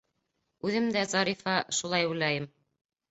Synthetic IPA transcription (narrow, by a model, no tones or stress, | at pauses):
ʉðɘmd̪æzɑɾifɑʃulˠɑjbujlˠɑjɘm